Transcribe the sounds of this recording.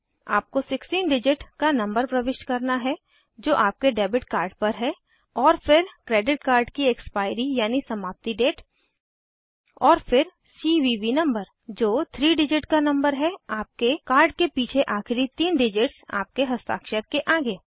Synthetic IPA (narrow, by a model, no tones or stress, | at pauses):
a̰ːp̚kosɪksʈiːnɖɪd͡ʒɪʈkanɐ̃mbəɾpɾɐʋɪʃʈkɐɾnaɦɛ | d͡ʒoːʔaːp̚keɖɛːbɪʈkaːɾɖpɐɾɦɛ | ɔːɾfɪɾkɾeːɖɪʈ̚kaːɾɖkiɛkspaːɪɾijaːnisɐmaːp̚t̪iɖeːʈ | ɔːɾfɪɾ | siːʋiʋinɐ̃mbəɾ | d͡ʒoːt̪ʰɾiːɖɪd͡ʒɪʈkanɐ̃mbəɾɦɛaːp̚kekaːɾɖ̚kepiːt͡ʃʰeʔaːxɪɾit̪iːnɖɪd͡ʒɪʈsa̰ːp̚keɦɐst̪a̰ːkʃəɾkeʔaːɡeː